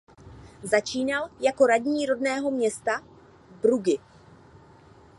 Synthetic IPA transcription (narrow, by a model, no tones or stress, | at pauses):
zat͡ʃiːnaljako̞ɾadɲiːɾo̞dnɛːɦo̞mɲɛst̪a | bɾuɡɪ